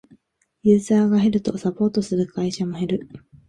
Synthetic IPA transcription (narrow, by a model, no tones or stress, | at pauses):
jɯ̟ːzaːɡaɦe̞ɾɯ̟t̪o̞sapo̞ːt̪o̞sɨɾɯ̟kaiɕamohe̞ɾɯ̟